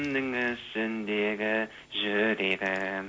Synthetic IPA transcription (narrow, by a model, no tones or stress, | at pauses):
nnəŋʏsɪnd̪eɡʲɪ | ʒɵɾeɾɪ